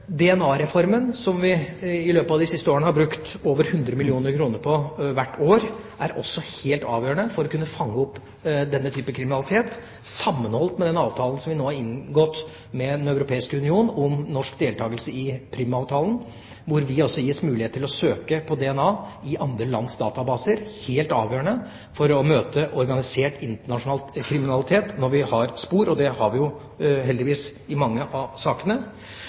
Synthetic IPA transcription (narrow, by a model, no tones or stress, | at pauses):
d̪ɛɛnɑːɾɛfɔɾmənsɔmʋɪɪløːpəɑːʋd̪ɪsɪst̪əoːɾənəhɑɾbɾʉkt̪oːʋəɾhʉnd̪ɾəmɪlɪuːnəɾkʰɾuːnəɾpʰɔʋæʈːoːɾʔæɾɔ̰sːɔheːlt̪ɑ̰ːʋjøːəɳəfɔɾɔkʉnːəfɑŋːəɔpː | d̪ɛnːət̪ʰyːpəkʰɾɪmɪnɑlɪt̪ʰeːt̪ | sɑmːənhɔlt̪mɛd̪ɛnɑːʋt̪ʰɑːlən̩sɔmʋɪnoːhɑɾɪnɡɔt̪ː | mɛd̪nœʉɾʊpʰeːɪskəʉnɪuːnɔmnɔʂkd̪eːlt̪ʰɑːɡəlsəɪpʰɾiːmɑːʋt̪ʰɑːlən | ʋʊɾʋɪɔsːɔjɪsmʉːlɪheːt̪ʰːɪlɔsøːkəpʰɔd̪ɛɛnɑːɪʔɑnd̪ɾəlɑ̰nsd̪ɑ̰ːt̪ɑbɑːsəɾheːlt̪ɑːʋjøːəɳə | fɔɾɔmøːt̪əʔɔɾɡɑnɪseːʈɪnt̪əɳɑʂʊnɑkʰɾɪmɪnɑlɪt̪ʰeːt̪nɔɾʋɪhɑɾspuːɾɔd̪ɛhɑɾʋɪjʊ | hɛld̪ɪʋiːsɪmɑŋːəʔɑsɑːkənə